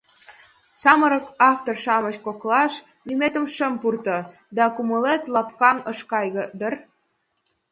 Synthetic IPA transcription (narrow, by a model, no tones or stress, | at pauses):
sɑməɾəkɑft̪orʃɑməɕkoklɑʃ | nymet̪ə̆mʃəmpurt̪ɤ̆ | d̪ɑkuməlet̪lɑp̚kɑnəʃkɑjɣɤ̆d̪ər